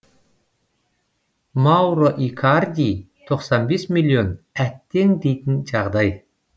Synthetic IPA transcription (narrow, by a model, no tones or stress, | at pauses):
mɑwɾoʔikʰard̪ʲi | t̪ʰo̞qsɑnbe̞smʲilʲːio̞næt̪ːe̞ŋd̪e̞jt̪ɪnʒɑʁd̪ɑj